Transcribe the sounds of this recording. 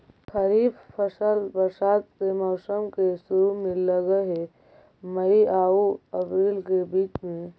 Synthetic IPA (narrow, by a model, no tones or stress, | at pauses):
kʰəɾiːbpʰəsəlbəsaːt̪semɔːsəmkesʊɾumẽləɡəɦe | mɐiaːuɐpɾiːlkebiːt͡ʃmẽ